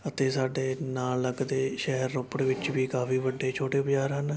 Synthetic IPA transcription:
ət̪eːsaːɖeːnaːlːəɡd̪eːʃɛɦəɾːʊpɽʋɪt͡ʃʋiːkaːfiːʋəɖːeːt͡ʃʰoːʈeːpd͡ʒaːɾɦən

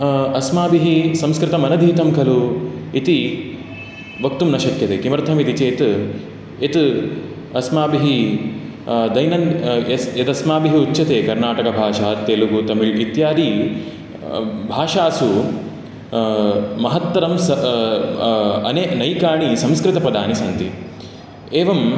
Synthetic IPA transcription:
ɐsmaːbiɦisɐ̃mskɾɪt̪ɐmɐnɐd̪ʱiːt̪ɐmkʰɐluit̪i | ʋɐkt̪umnɐʃɐkjɐt̪eːkimɐɾt̪ʰɐmit̪it͡ʃeːt̪ | et̪ | ɐsmaːbiɦi | d̪ɐjnɐnjɐt̪ɐsmaːbiɦiut͡ʃːɐt̪eːkɐɾnaːʈɐkɐbʱaːʃaːt̪eːluɡut̪ɐmiɭit̪jaːd̪i | bʱaːʃaːsu | mɐɦɐt̪ʋɐɾɐmsɐ | ɐneːnɐjkaːɳisɐmskɾɪt̪ɐpɐd̪ʱaːnisɐnt̪i | eːʋɐm

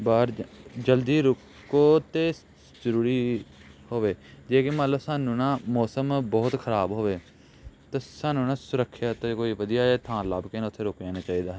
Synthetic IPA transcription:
baːɾd͡ʒəld̪iːɾʊk | oːt̪eː | zəɾuːɾiːhoːʋeːd͡ʒeːkɪmət̪ləbsaːnːũːnãːmɔːsəmbɔːt̪kʰəɾaːbɦoːʋeː | t̪aːsaːnːũːnãːsʊɾəkʰːjaːt̪ekoːiːʋəd̪ijaːeːt̪ʰãːlaːbkeːnãːʊt̪ʰːeːɾoːkd͡ʒãːnaːt͡ʃaːiːd̪aːɦɛː

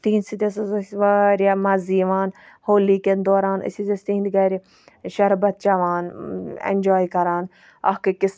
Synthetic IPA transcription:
t̪iːnsit̪ʲɐs̬ɐsɐsʋaɾamɐziːʋaːn | hoːlikend̪oːɾaːnɐ̰sʲizʲɐst̪iːnd̪ɡɐːɾi | ʃɐɾbɐt̪̚t͡ʃaʋaːnɛ̰nʲd͡ʒɔːjkɐɾaːn | ɐ̰hkɨkɪs

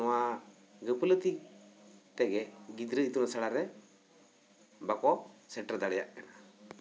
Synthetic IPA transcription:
ɔwa | ɡəpələt̪i | t̪ɛɡɛɡid̪ɾəit̪unasaɽaɾɛ | bakɔsɛʈɾəd̪aɽjaʔɛna

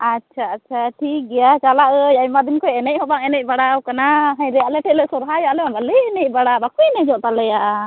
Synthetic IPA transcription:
atːt͡ʃʰaːtt͡ʃʰaʈʰik̚ɡɛjat͡ʃalaʔəjajmad̪inkɔɛnɛc̚ˀhɔbaŋɛnɛc̚ˀbaɽawkanaɦãjɾɛalɛʈʰɛlɛsɔɾɦajalɛɔnalɛɛnɛc̚ˀbaɽabakujnɛd͡ʒɔʔt̪alɛja

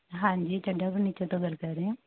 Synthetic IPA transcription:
ɦãːɲd͡ʒiːt͡ʃəɖaːpəɾnit͡ʃat̪õːɡəlkəɾɾeɛ̃ː

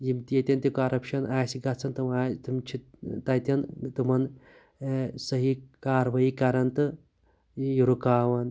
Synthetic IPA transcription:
jimt̪ijɐt̪ʲjɐnt̪ʲikaɾɐpʃɐnaːsiɡɐt͡sʰɐnt̪umaːt̪umt͡ʃʰit̪ɐt̪ʲɐnt̪umɐn | sɐɦikaːɾʋɐikɐɾɐnt̪ɨ | juɾukaːʋɐn

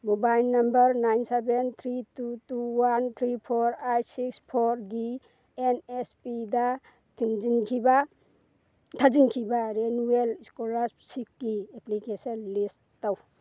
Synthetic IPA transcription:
mubajlnambəɾnajnsebent̪ʰɾitutuwant̪ʰɾipʰɔɾajsikspʰɔɾɡi | enespida | tʰiŋd͡ʒinkʰiba | t̪ʰad͡ʒinkʰibaɾenueliskɔlassikɡieplikesɔnlisttaw

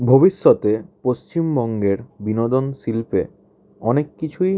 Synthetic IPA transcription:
bʱobiʃːot̪epost͡ɕimbɔŋɡeɾbinod̪onsilpe | ɔnekːit͡ɕʰuj

